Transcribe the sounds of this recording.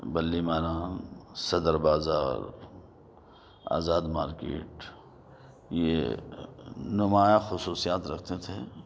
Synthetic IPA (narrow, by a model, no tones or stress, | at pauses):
bɐlːimaːɾãːsɐd̪əɾbaːzaːɾ | a̰ːzaːd̪maːɾkḛːʈ | je | nʊmaːjaxʊsuːsijaːt̪ɾɐk̚ʰt̪et̪ʰe